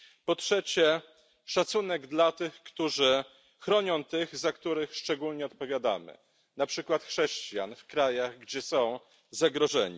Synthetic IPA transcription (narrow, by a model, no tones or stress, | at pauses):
pɔtʂɛt͡ɕɛ | ʂat̪sunɛɡd̪lat̪ɘxkt̪uʐɘ | xɾɔɲɔ̃w̃t̪ɘɣzakt̪uɾɘxʂt͡ʂɛɡulɲɛɔt̪pɔvʲjad̪a̰mɘ̰ | napʂɘkwat̪xʂɛɕt͡ɕja̰nfkɾajaɣɡd͡ʑɛsɔ̃w̃ | zaɡɾɔʐɛɲḭ